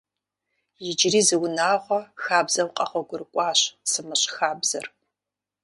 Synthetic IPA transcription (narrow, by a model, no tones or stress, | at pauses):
jɪd͡ʒriːzɨwʊnaːʁʷɔxaːbzɐwqʼɐʁʷɔɡʷʊɾɨkʷʼɑːɕsɨmɨɕxaːbz̥ɐr